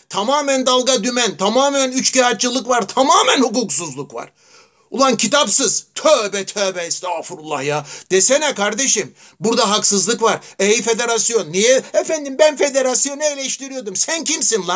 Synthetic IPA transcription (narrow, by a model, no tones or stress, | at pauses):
t̪ʰamaːmænd̪alˠɡad̪ymænt̪ʰamaːmænyt͡ʃcahat̪̚t͡ʃɯlˠɯkvaɾt̪ʰamaːmænhuk̬uːksuzlˠukva̰ɾ̥ | ulˠancʰit̪ʰapsɯz̥t̪ʰøːbɛt̪ʰøːbɛist̪ɛafuɾulˠːa̰hjad̪̥esenɛkʰaɾd̪e̞ʃim | buɾd̪aɦaksɯzlˠɯkvaɾejfe̞d̪e̞ɾasijo̞nːijɛefænd̪imbænfe̞d̪e̞ɾasjo̞nɛelʲeʃt̪ʰiɾijo̞d̪umsæncʰimsinlˠa